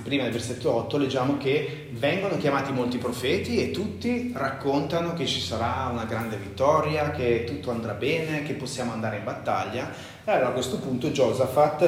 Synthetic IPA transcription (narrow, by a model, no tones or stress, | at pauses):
pɾiːmad̪elverset̪ːoɔt̪ːoled͡ʒːaːmoke | vɛŋɡonok̟jamaːt̪imolt̪ipɾofɛːt̪iet̪ːut̪ːirakːont̪anok̟et͡ʃːi̥saɾaunaɡɾand̪evit̪ːɔɾjaket̪ːut̪ːoand̪ɾabɛːnek̟epːosːjaːmoand̪aːɾeimbat̪ːa̰ʎːa | ealoɾakwest̪opunt̪od͡ʒɔzafat̪ː